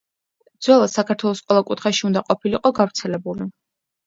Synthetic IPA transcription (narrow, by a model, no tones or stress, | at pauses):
d̪zwɛlˠasakʰaɾt̪ʰwɛlˠɔsqʼwɛlˠakʼut̪ʰχaʃiund̪aqʼɔpʰiliqʼɔɡavɾt̪sʰɛlɛbuli